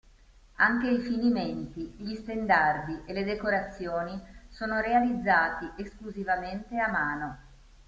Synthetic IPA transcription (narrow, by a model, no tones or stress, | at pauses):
aŋk̟eifiniment̪iʎist̪end̪ard̪iʔeled̪ekoɾat̪sːjoːnisoːnoɾealid̪zːaːt̪iʔeskluzivament̪eamːaːno